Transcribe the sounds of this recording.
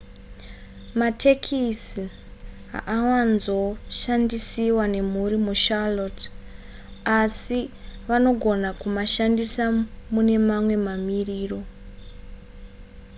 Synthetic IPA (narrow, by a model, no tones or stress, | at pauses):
matʰe̞kʰisi | ɦa̰ʔawanzo̞ʃandisiwane̞muɾimuʃalot | asiʋano̞ɡʱo̞nakumaʃandisamune̞mamwe̞mamiriːro̞